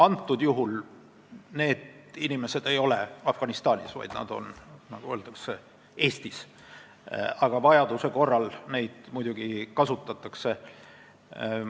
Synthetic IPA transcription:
ɑnt̪ːud̪̥juɦul | ne̞ːd̪̥inime̞sed̪̥e̞jo̞leɑfɡ̥ɑnist̪ɑːnʲisvɑ̰jd̪̥nɑ̰d̪o̞̰nnɑɡ̥uø̞ːlt̪ˑɑkse | e̞ːst̪is | ɑɡ̥ɑvɑjɑd̪̥use̞ko̞rːɑlne̞jd̪̥mujd̪uɡ̥ikɑsut̪ːˑɑt̪ːˑɑkse̞

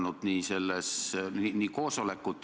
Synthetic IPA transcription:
nud̪̥niːse̞lːesiniːko̞ːso̞lekːˑut̪ːˑ

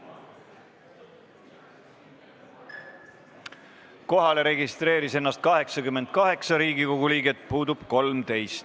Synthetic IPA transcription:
ko̞ɦɑle̞ɾe̞ɡist̪ɾe̞ːɾise̞nːɑst̪̚kɑɦe̞ksɑkymːe̞nd̪̚kɑɦe̞ksɑɾiːɡiko̞ɡ̥uliːɡe̞t̪ːˑpuːd̪ub̥ko̞lmt̪e̞jst̪

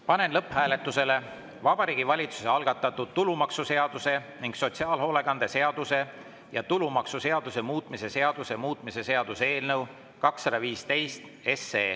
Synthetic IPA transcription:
pɑne̞nlɤphæːle̞t̪ːˑuse̞le̞ | vɑb̥ɑɾiːɡ̥ivɑlʲit̪su̥se̞ɑlɡ̥ɑt̪ːˑɑt̪ːud̪̥̚t̪ːulumɑksuse̞ɑd̪̥use̞niŋɡ̥so̞t̪siɑːlɦo̞ːle̞kɑnd̪̥e̞se̞ɑd̪̥use̞ | jɑt̪ulumɑksuse̞ɑd̪use̞muːt̪ˑmise̞se̞ɑd̪̥use̞muːt̪ˑmise̞se̞ɑd̪̥usee̞ːlnɤw | kɑksːɑd̪̥ɑviːst̪e̞jst̪ | e̞sːeː

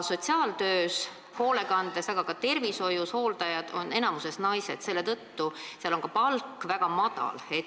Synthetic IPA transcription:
so̞t̪ʲsiɑːlt̪øːs | ho̞ːle̞kɑnd̪̥esɑɡ̥ɑkɑt̪e̞rviso̞jusho̞ːld̪ɑjɑd̪̥o̞ne̞nɑmuse̞snɑjse̞d̪̥se̞lːe̞t̪ɤt̪ːuseɑlo̞ŋkɑpɑlkːˑvæɡ̥ɑmɑd̪̥ɑ̰let̪

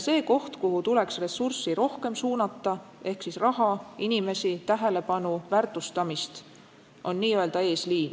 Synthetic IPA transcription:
se̞ːko̞ht̪kuɦut̪ule̞ksre̞sursiɾo̞hke̞msuːnɑt̪ːˑɑe̞hksisrɑɦɑinime̞sit̪æɦe̞le̞pɑnuvært̪ːˑust̪ɑmist̪ | ʔo̞nːiːø̞ld̪̥ɑe̞ːsliːn

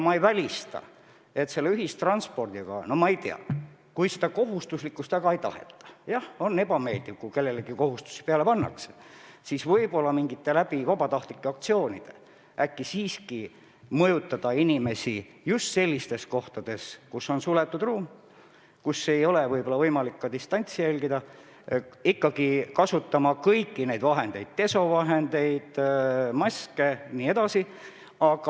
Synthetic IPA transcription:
mɑejvælʲist̪ɑ̰ | e̞t̪se̞lːeyɦist̪rɑnspo̞rd̪̥iɡ̥ɑ̰no̞mɑejt̪ḛɑ̰ | kujsed̪ɑko̞ɦust̪uslikːˑust̪æɡ̥ɑejt̪ɑ̰hḛt̪ːˑɑ̥jɑho̞ne̞bɑme̞ːld̪ivkuke̞lːe̞leɡ̥iko̞hust̪u̥si̥peɑlepɑnːɑ̰kse̥siːsvɤjbo̞lːɑmiŋɡ̥it̪ːe̞læbivɑbɑt̪ɑht̪likːeɑk̚t̪sio̞ːnid̪̥e | ækːisiːski | mɤjut̪ːˑɑd̪̥ɑinʲime̞si | just̪se̞lʲːist̪e̞sko̞ht̪ɑd̪̥e̞skusːo̞nsulet̪ːˑud̪ruːm | kusːe̞jo̞levɤjbo̞lɑvɤjmɑlikːɑd̪ist̪ɑnʲt̪sijælʲɡid̪̥ɑ | ikːɑɡ̥ikɑsut̪ːˑɑmɑkɤjkːine̞jd̪vɑɦe̞nd̪e̞̰jd̪̥t̪e̞so̞vɑɦe̞nd̪e̞jd̪̥mɑskeniːe̞d̪̥ɑsi | ɑɡ̥ɑ

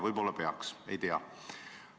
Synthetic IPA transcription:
vɤjbo̞lːɑpe̞ɑ̰kse̞̰jt̪eɑ̰

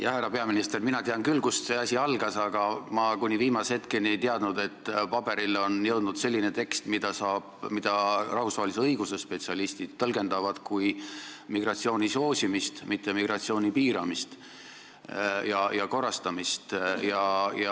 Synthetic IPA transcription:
jɑhærɑpe̞ɑminist̪e̞rminɑt̪eɑŋkylːkusse̞ɑsʲiɑlɡ̥ɑsɑɡ̥ɑmɑkunʲiviːmɑshe̞t̪keniejt̪eɑd̪̥nud̪̥e̞t̪ːpɑb̥e̞ɾilo̞njɤwd̪̥nud̪se̞lʲːine̞t̪e̞kst̪mid̪̥ɑsɑːb̥mid̪̥ɑrɑhusvɑːeliseɤiɡ̥usespe̞t̪siɑlist̪id̪̥̚t̪ɤlɡe̞nd̪̥ɑvɑd̪̥kujmiɡ̥rɑt̪sio̞ːnʲiso̞ːsʲimist̪mit̪ːe̞miɡrɑt̪sio̞ːnʲipiːɾɑmist̪ | jɑjɑko̞rːɑst̪ɑmist̪jɑjɑ

